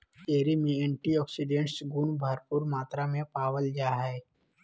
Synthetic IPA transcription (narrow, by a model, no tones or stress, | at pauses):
t̪eːɾimẽɛ̃ɳʈiɔːksiɖẽɳʈsɡʊnbʱaɾpʊɾmaːt̪ɾamẽpaːwəld͡ʒaːɦɛː